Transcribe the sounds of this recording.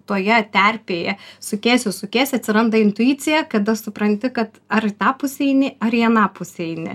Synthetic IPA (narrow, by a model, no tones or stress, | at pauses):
t̪oːjɛt̪ʲærʲpʲeːjɛsʊkʲæːsʲʊsʊkʲæːsʲɐt̪ʲsʲɪɾɐnd̪ɐɪnt̪ʊiːtt͡s̪ʲɪjɛkɐd̪ɐsʊpɾɐnʲt̪ʲɪkɐt̪ɐrt̪ɑːpʊsʲɛɪnʲɪɐriɛnɑːpʊsʲɛɪnʲɪ̰